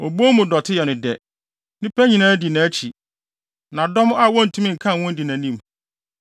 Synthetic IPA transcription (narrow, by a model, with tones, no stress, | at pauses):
o˨bo˦mũ˨dɔ˨tʰɪ˦jɛ˨nʊ̃˨dɛ˨ | nɪ̃˦pʰæ˦ɲĩ˨nãː˦di˨nã˨˦t͡ɕʰi˨ | nã˨dɔ˦m˦a˦wɔ̃˦n̩˨tʰũ˦mĩ˦ŋ̩˨kʰã˦˨wʊ̃˦n˦di˨nã˨nĩ˦m